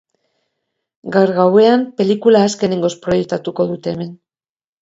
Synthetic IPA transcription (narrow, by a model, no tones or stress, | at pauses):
ɡaɾɣawe̞ampe̞likulaːske̞ne̞ŋɡo̞spɾo̞je̞k̚t̪at̪uko̞ðut̪e̞ːme̞n